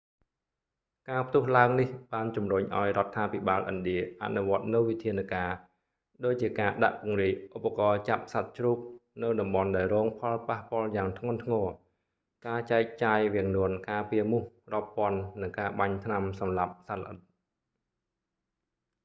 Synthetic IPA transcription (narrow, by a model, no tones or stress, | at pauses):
kaːpʰt̪ʊ̆əhlaəŋnihɓaːnt͡ɕumruɲʔa̰ɔjrŏət̪ʰːaːpʰiɓaːlʔənɗiəʔa̰ʔnuʋŏət̪̚nɨwʋit̪ʰiənakaː | ɗoːc̚t͡ɕiəkaːɗa̰ʔpʊ̆əŋriək̚ʔupːakɑːt͡ɕap̚sat̪̚t͡ɕruːk̚nɨwɗɑmɓɑnɗaɛlrɔːŋpʰɑlpahpŏəljaːŋt̪ʰŋʊ̆ənt̪ʰŋɔː | kaːt͡ɕaɛk̚t͡ɕaːjʋiəŋnuənkaːpiəmuhrŏəpːŏənːɨŋkaːɓaɲt̪ʰnamsɑmlap̚salʔət̪̚